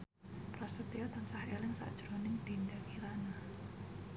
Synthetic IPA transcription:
pɾɔsut̪iɔt̪ansahelɪŋsa̰ʔd̥ʒ̥ɾonɪŋd̪̥indakiɾana

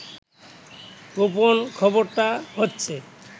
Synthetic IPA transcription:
koponkʰɔboɾt̪aɦotːɕʰe

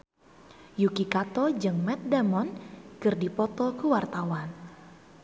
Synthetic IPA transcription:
jukikat̪ɔd͡ʒɨŋmɛt̪̚damɔnkɨrdipɔt̪ɔkəwart̪awan

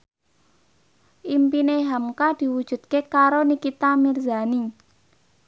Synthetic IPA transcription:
ʔimpineɦamkad̪̥i̤wud̥ʒ̥ṳt̪̚kekaɾonikit̪amirzani

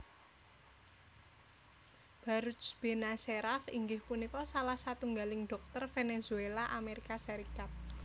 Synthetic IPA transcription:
b̥a̤ɾusb̥e̤naseɾafḭŋɡɪhpunikɔsalahsat̪uŋɡalɪŋɖ̥ɔk̚t̪ərfenezuelaʔameɾikasaɾikat̪̚

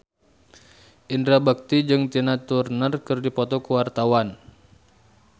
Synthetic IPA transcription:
ʔindɾabak̚t̪id͡ʒɨŋt̪inat̪urnərkɨrdipɔt̪ɔkəwart̪awan

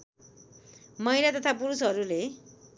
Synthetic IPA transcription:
mʌjlat̪ʌt̪ʰapuɾusʌɾule

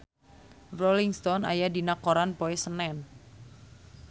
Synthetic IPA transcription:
rɔliŋst̪ɔna̰jadinakoɾanpoesənɛn

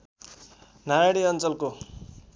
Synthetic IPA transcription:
najaɽiʌnt͡sʌlko

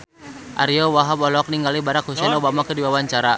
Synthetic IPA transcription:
ʔa̰ɾiɔwaɦabɔlk̚niŋɡalibaɾakhusɛnobamakədibawaɲt͡ʃaɾa

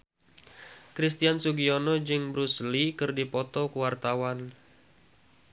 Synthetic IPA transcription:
kɾis̬t̪iansuɡionɔd͡ʒɨŋbɾuslikɨrdipɔt̪ɔkəwart̪awan

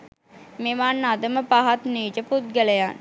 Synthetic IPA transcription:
meʋaːnːad̪əməpaɦat̪niːd͡ʒəput̪̚ɡələjan

